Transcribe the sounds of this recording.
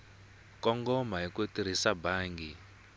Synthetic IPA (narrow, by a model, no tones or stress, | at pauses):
kɔŋɡɔmaɦikotiɾ̤isabaːŋɡi